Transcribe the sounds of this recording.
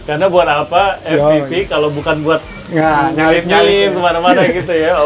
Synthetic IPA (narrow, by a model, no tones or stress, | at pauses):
karnabuat̪apaɛft̪ipikalobukanbuat̪̚ | ŋaɲalɪp̚ɲalɪmkəmanamanaɡit̪uja